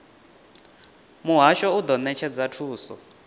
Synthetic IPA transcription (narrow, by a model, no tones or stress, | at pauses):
muɦaʃɔud̪ɔnɛt͡ʃʰɛd͡zatʰuːsɔ̰